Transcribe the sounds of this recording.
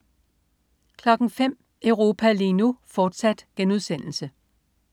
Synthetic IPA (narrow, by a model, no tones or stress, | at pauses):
kʰlɒ̽ɡ̥ŋ̩fem̰ | œʊʁo̝ːpʰælinufɒːd̥sæd̥ɡ̥enuðˠsen̰l̩sə